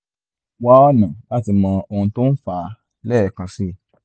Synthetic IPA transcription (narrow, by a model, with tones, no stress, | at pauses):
wa˦ɔ˦nã˨la˦˨ti˧mɔ̃˧o˧hũ˧to˦n̩˦fa˧˨ | lɛ˦˨kã˧si˦˨